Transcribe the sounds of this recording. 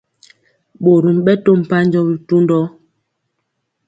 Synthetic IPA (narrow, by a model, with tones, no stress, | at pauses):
ɓo˨ɾu˨mɓɛ˦to˦m̩˨pa˦n˦d͡ʒɔ˦bi˨tu˦ndɔ˦